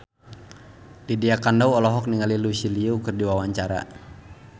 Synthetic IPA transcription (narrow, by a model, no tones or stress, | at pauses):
lidiakandawɔlɔɦɔk̚niŋalilusiliukɨrdiwawaɲt͡ʃaɾa̰